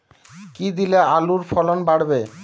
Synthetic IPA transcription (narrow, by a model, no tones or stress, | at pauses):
kid̪ilealuɾfɔlonbaɽbe